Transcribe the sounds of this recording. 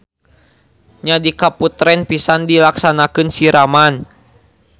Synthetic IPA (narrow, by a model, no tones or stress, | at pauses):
ɲadikaput̪ɾɛnpisandilaksanakɨnsiɾaman